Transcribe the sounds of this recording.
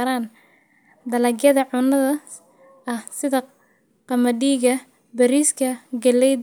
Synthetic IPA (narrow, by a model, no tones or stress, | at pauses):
ɾaːn | d̪ɐlɐɡjɐðɐʕʊnɐðɐ | ɐhsɪðɐ | qɑmɐɖiːɣɐ | bɐɾiːskʰɐɡɐlɛj